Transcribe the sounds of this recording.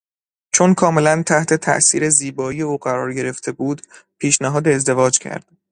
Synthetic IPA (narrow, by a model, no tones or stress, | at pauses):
t͡ʃʰo̞nkʰɒːme̞lænt̪ʰæht̪ʰe̞t̪ʰæ̰ʔsḭːɾe̞ziːbɒːije̞uːɢæɾɒːɾɟe̞ɾe̞ft̪ʰe̞buːd̪pʰiːʃnæɦɒːd̪eːzd̪e̞vɒːd͡ʒcʰæ̰ɾd̪̥